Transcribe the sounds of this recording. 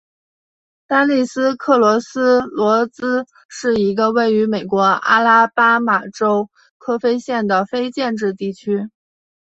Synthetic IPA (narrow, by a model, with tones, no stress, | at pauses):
t̪a˥li˥˩sɹ̩˥kʰɤ˥˩lwɔ˧˥sɹ̩˥lwɔ˧˥t͡sɹ̩˥ | ʂɻ̩˥˩i˧˥ɡə˧we˥˩ɪy˧˥me˨˩ɪkwɔ˧˥a̰˥la˥pa˥ma˨˩ʈ͡ʂo˥ʊ | kʰɤ˥fe˥ɪɕjɛ˥˩nd̪ə˩fe˥ɪt͡ɕjɛ˥˧nʈ͡ʂɻ̩˥˧t̪i˥˩t͡ɕʰy˥